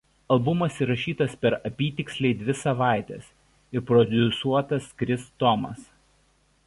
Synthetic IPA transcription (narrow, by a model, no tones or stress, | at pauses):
ɐlˠbʊmɐsiɾɐʃʲiːt̪ɐspʲɛɾɐpʲiːt̪ʲɪksʲlʲɛɪd̪ʲʋʲɪsɐʋɑˑɪt̪ʲɛs | ɪɾpɾɔd̪ʲʊsuɔt̪ɐskɾʲɪst̪ɔmɐ̰s